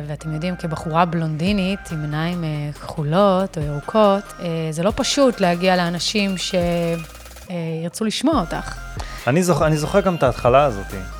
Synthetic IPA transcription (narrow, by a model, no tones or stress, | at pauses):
veate̞mjo̞dimkebaχuʁablondinitimenaimekχulo̞toeʁukʰo̞tezelo̞paʃutlehaɡialeanaʃimʃe̞ | iʁt͡suliʃmoaota̰χanizoχanizoχeʁɡamet̪aːt̪χalaːzo̞̰t̪ḭ